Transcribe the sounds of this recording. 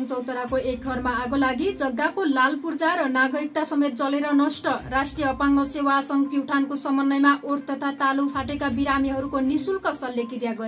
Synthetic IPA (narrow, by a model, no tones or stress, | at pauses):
ʌnt͡sʌwt̪ʌɾakoʔek̚ɡʱʌrmaːɡolaɡid͡zʌɡːakolalpurd͡zaɾʌnaɡʌɾik̚t̪asʌmet̪̚d͡zʌleɾʌnʌsʈʌrasʈrijʌːpaŋɡʌsewasʌŋpiwʈʰankosʌmʌnːʌjmaʔoɾt̪ʌt̪ʰat̪alupʰaʈekabiɾamiɦʌɾukonisulkʌsʌlːekiɾjaɡʌe